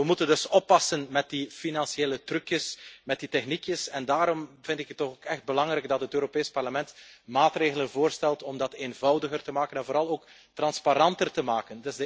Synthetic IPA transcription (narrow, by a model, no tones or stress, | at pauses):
ʋəmutəndɵsɔpːɑsənmɛt̚difinɑnsieːlətrʉkjəsmɛt̚ditɛxnikjəsɛndaːɾɔmvɪntɪkətːɔxoːkɛxd̚bəlɑŋɾɛɡ̚dɑtɦətøːɾopeːspɑrləmɛntmaːtreːɣələnvoːrstɛlˠtɔmdɑteːnvɑwdəɣərtəmaːkənɛnvoːɾɑlˠoːk | trɑnspaɾɑntərtəmaːkəndɪzdə